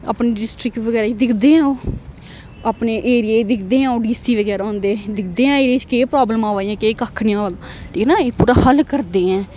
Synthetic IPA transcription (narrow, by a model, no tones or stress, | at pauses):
a̰ːpneːɖɪsʈɾɪkʈʋəɡɛːɾaːd̪ɪkʰd̪eːɛ̃oː | aːpneːʔeːɾieːd̪ɪkʰd̪eːɛ̃ːoːɖiːsiːʋəɡɛːɾaːõːnd̪eːd̪ɪkʰd̪eːɛ̃ːeːɾeːt͡ʃkeːpɾaːbləmãːʋaːiãːkeːkaːkʰːnijãːʋəl | ʈʰiːknaːeːpuːɾaːhəlkəɾd̪eːɛ̃ː